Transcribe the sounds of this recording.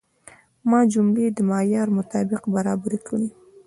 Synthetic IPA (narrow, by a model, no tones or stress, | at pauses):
mɑd͡ʒʊmled̪əmɑjɑɾmʊt̪ɑbɪqbaɾɑbaɾikəɽi